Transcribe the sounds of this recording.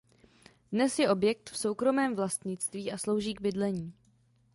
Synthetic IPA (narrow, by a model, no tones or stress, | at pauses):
dnɛsjɛʔo̞bjɛk̚t̪fso̞wkɾo̞mɛːmvlast̪ɲɪt͡st̪viːʔaslo̞wʒiːɡ̚bɪdlɛɲiː